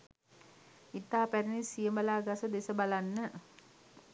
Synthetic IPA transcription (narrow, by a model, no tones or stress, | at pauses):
it̪apɛrnisiəmbalaɡasod̪esəbalanːəʔ